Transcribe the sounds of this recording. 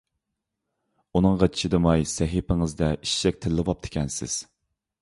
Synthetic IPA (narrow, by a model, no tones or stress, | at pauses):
unɨŋʁɑt͡ʃʰi̥ʃʰid̪ɨmɑjsɛɦipɪŋɨzd̪ɛiʃʃɛk̚ʲt̪ʰɪlːɪvɑp̚t̪ʰɪ̥kʲʰɛnsɪ̰z̥